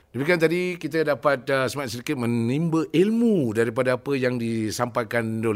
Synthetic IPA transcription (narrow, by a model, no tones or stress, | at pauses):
dəmikiant̪̬adikit̪̬ədapat̪̚səmaat̪səɾikɪt̪̚mə̃nnimbəʔilmudaɾip̬adaapəjaŋdisampajkandol